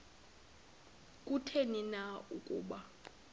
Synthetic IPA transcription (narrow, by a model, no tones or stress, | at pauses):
kʼutʰeninaukʼṵːɓa